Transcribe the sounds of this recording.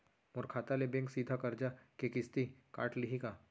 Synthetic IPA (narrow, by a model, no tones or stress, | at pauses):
mʊɾkʰaːt̪alebẽŋksiːd̪ʱakɐɾd͡ʒakekɪst̪ika̰ːʈliɦika